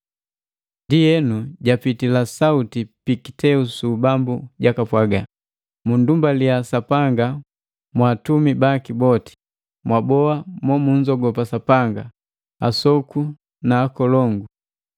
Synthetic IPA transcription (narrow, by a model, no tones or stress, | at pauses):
ndijɛnuɟapitilasautipiki̥tɛusubambuɟakapwaɡa | mundumbaliasapaŋɡa | mwaːtumibakibɔti̥ | mwabɔamɔmuɲd͡ʒɔɡɔpasapaŋɡa | a̰sɔku | naːkɔlɔŋɡu